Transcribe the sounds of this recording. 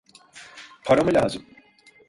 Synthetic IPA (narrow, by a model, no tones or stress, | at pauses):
pʰaɾomɯlʲaːzɯm